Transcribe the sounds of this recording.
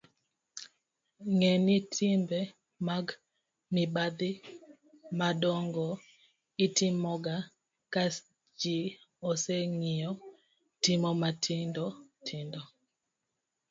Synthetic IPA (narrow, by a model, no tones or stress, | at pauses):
ŋɛnitʰimbɛ | maɡ | mibad̪ɪ | madɔŋɡɔ | itimɔɡa | ka | d͡ʒi | ɔsɛŋiɔ | tɪmɔmatʰɪndɔtʰɪndɔ